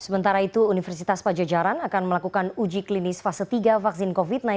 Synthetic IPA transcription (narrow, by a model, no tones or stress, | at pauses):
səmənt̪aɾait̪uːnifərsit̪aspad͡ʒad͡ʒaɾanakanməlakukanud͡ʒiklinɪsfasət̪iɡafaksɪnkofit̪̚na